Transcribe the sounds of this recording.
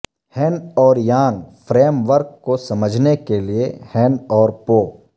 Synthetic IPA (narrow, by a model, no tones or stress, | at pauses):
hɛ̃ːnɔːɾjaːnfʰɾeːmʋəɾkːosɐməd͡ʒʱnekeliehɛːnɔːɾpoː